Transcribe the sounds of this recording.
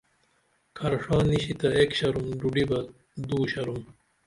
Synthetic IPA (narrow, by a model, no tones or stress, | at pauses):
kʰɐɾʂaːniɕit̪ɐekɕɐɾumɖuɖibɐ | d̪uːɕɐɾum